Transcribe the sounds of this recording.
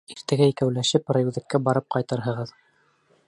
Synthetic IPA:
iɾt̪æɡæikæwlæʃɘprajʉðɘ̆kːæbɑɾɤp̚qɑjt̪ɤɾɦɤ̆ʁɤð

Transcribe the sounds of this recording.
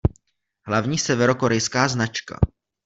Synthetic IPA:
ɦlavɲiːsɛvɛɾo̞ko̞ɾɛjskaːznat͡ʃka̰

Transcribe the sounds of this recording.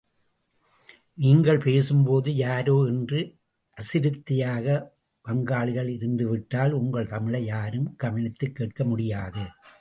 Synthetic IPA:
niːŋɡɐɭpeːsɯmpoːðɯjaːɾoːɛndrɯ | ʔɐsɪɾɯt̪ːɪjaːɣɐ | pɐŋɡaːɭɪɣɐɭɪɾɯnd̪ɯʋɪʈːaːlʊŋɡɐɭt̪ɐmɪɭɐjaːɾɯmɡ̥ɐʋɐnɪt̪ːɯkːeːʈkɐmʊɽɪjaːðɯ

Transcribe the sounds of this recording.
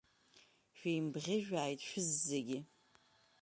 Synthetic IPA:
ʃᶣejmbʁʲɪʒᶣaːjtʰʼʃᶣʊzːeɡʲɪ

